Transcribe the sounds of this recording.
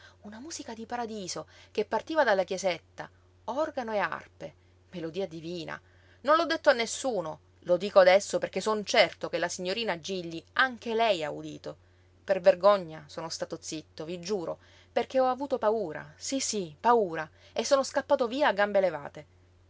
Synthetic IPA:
unamuːzikad̪ipaɾad̪iːzok̟epːart̪iːvad̪alːakjezet̪ːa̰ | ɔrɡanoea̰rpe | melod̪iːad̪iviːna̰ | nõnlɔd̪ːet̪ːoanːesːuːno | lod̪iːkoad̪ɛsːoperk̟esont͡ʃɛrt̪okelːasiɲːoɾiːnad͡ʒiʎːiaŋk̟elɛjaud̪ḭːt̪o | perverɡoɲːasoːnost̪aːt̪ot̪sit̪ːovid͡ʒuːɾo | perk̟eɔavuːt̪opauːɾa̰sisipauːɾa | esːoːnoskapːaːt̪oviːaːɡːambeleva̰ːt̪e

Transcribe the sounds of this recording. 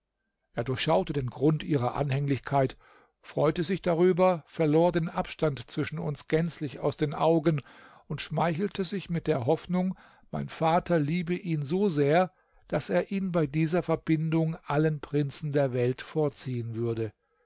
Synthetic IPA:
ʔeːɐdʊɐçʃaʊtədeːnɡʁʊntʔiːʁɐʔa̰nhɛŋlɪçkʰaɪt | fʁ̥ɔʏtəzɪçd̥aʁ̞yːbɐfɛɐloːɐdeːnʔapʃtantt͡sv̥ɪʃn̩ʊ̰nsɡ̥ɛnt͡slɪça̰ʊsd̥eːnʔaʊɡən | ʊntʃmaɪçl̩tʰəzɪçmɪt̚d̥eːɐɦɔfnʊŋ | maɪnfaːtʰɐliːbəʔiːnzoːzeːɐ | d̥aseːɐʔiːnbaɪdiːzɐfɛɐbɪndʊŋʔalənpʁ̥ɪnt͡sn̩deːɐvɛltfoːɐt͡siːənvʏɐdə

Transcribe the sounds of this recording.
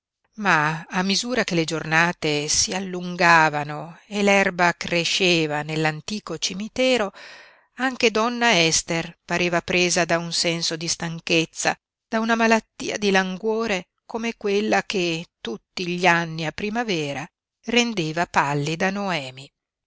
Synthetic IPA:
maːmːizuːɾakeled͡ʒornaːt̪esialːuŋɡaːvanoelɛrbakreʃːeːvanelːant̪iːkot͡ʃimit̪ɛːɾo | aŋk̟ed̪ɔnːaɛst̪erpaɾeːvapɾeːzad̪aunsɛnsod̪ist̪aŋket̪sːa̰ | d̪̥aunamalat̪ːḭːa̰d̪ilaŋɡwoːɾe | komekwelːaket̪ut̪ːiʎianːiapːɾimavɛːɾa | rend̪eːvapalːid̪anoɛːmi

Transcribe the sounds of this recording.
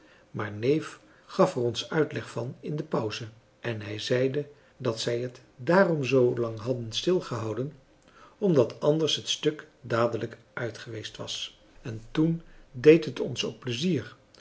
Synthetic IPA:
maːɹnejf | χɑfərɔnsœɥtlɛχfɑnɪndəpɔwzə | ʔɛnɦɛjzɛjdə | dɑtsɛjɦət | daːrɔmzowlɑŋɦɑdənstɪlˠχəɦɑwdən | ɔmdɑtʰɑndəɹsɦətstɵkdaːdələk | ʔœɥtχəʋejstʋɑ̰s | ɛntundejtɦətɔ̰nso̰k̚pləziːr

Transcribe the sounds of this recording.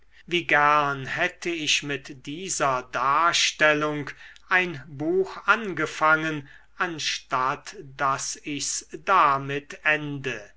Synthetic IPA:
viːɡæʁɐnɦɛtʰəɪɕmɪtd̥iːzɐdaːɐʃtɛlʊŋkʔaɪnbuːxʔanɡəfaŋən | ʔanʃtatd̥asɪçsd̥amɪtʰɛndə

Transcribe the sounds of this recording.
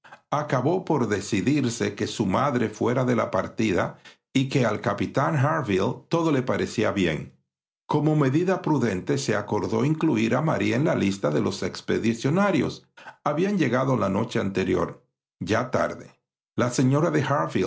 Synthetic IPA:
akaβo̞po̞ɾðe̞siðiɾse̞ke̞sumaðɾe̞fwe̞ɾaðe̞lapaɾt̪iða̰ | ike̞alkapit̪aŋɦaɾvilt̪o̞ðo̞le̞paɾe̞siaβje̞̰ŋ | ko̞mo̞me̞ðiðapɾuðe̞nt̪e̞se̞ako̞ɾðo̞̰iŋkluiɾama̰ɾienlalist̪aðe̞lo̞se̞kspe̞ðisjo̞naɾjo̞̰saβiand͡ʒe̞ɣaðonlano̞t͡ʃe̞ant̪e̞ɾjo̞̰ɾ | ʝat̪a̰ɾðe | lase̞ɲo̞ɾaðe̞haɾfi

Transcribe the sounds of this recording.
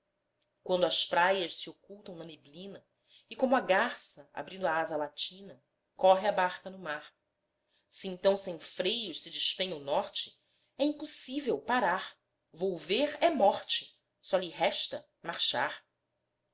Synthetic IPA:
kwɐ̃nd̪ʊɐʃpɾajɐʃsiokuwt̪ɐ̃w̃nɐneblĩnɐ | ikõmʊaɡaɾsɐa̰bɾĩnd̪ʊaazɐlat͡ʃĩnɐ | kɔɦɪabaɾkɐnʊmaɾ | siẽt̪ɐ̃w̃sẽj̃fɾejʊʃsɪd͡ʒɪʃpẽj̃ʊnɔɾt͡ʃɪ̥ | ɛĩpusivewpaɾaɾ | vowveɾɛmɔχt͡ʃɪ̥ | sɔʎiɦɛʃt̪ɐ | maɾʃa̰ɾ

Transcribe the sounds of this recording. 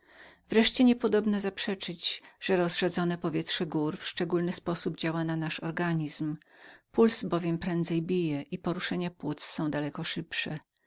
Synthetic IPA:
vɾɛʂt͡ɕɛɲɛpɔd̪ɔbnazapʂɛt͡ʂɘd͡ʑʐ̥ɛɾɔzʐad̪zɔnɛpɔvʲjɛtʂɛɡuɾfʂt͡ʂɛɡulnɘspɔsubd͡ʑawananaʂɔɾɡaɲizm | pulzbɔvʲjɛmpɾɛnd̪zɛjbʲijɛʔipɔɾuʂɛɲapwut̪sːɔ̃w̃d̪alɛkɔʂɘpʂɛ

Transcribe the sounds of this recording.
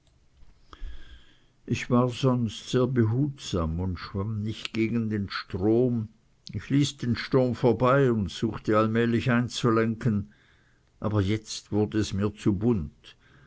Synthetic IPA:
ʔɪçv̥aːɐzɔnstz̥eːɐbəɦuːtz̥aːmʊntʃv̥amnɪçtɡ̥eːɡən̩deːnʃtʁ̥oːm | ɪçliːsd̥eːnʃtʁoːmfoːɐbaɪʊntz̥uːxtəalmɛːlɪçaɪnt͡sulɛŋkən | ʔa̰ːbɐjɛt͡stv̥ʊɐdəɛsmiːɐt͡subʊnt

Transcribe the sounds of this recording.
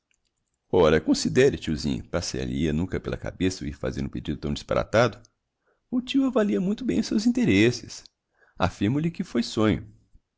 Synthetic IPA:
ɔɾɐkõsid̪ɛɾɪt͡ʃiuzḭ̃ɲɐ̰pasḛliɐnũŋkɐpelɐ̰ka̰besɐuiɾfa̰zḛ̃ɾd̪ʊ̃ped͡ʒid̪ʊt̪ɐ̃w̃d͡ʒɪspa̰ɾa̰t̪ad̪ʊ | ʊt͡ʃiwavaliɐmũj̃t̪ʊbẽj̃ʊsewzĩnt̪eɾesɪs | a̰fiɾmʊlɪkɪfojsõɲʊ

